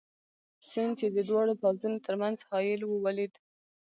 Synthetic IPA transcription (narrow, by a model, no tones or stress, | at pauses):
sɪnd̪̚t͡ʃed̪əd̪wɑɽopawzunot̪əɾmanzhɑjɪlwəwaled̪